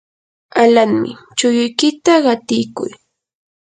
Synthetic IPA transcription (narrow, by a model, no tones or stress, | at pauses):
alaŋmɪ̰ | t͡ʃʊjʊjkɪt̪aɢɑt̪ɪjkʊ̰j